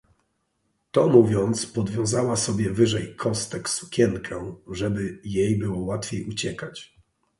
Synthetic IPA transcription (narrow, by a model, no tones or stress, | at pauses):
t̪ɔmuvʲjɔnt̪spɔd̪vʲjɔ̃w̃zawasɔbʲjɛvɘʐɛjkʰɔst̪ɛksu̥kʲɛŋkʰɛʐɛbɘjejbɘwɔwat̪fʲejut͡ɕɛkat͡ɕ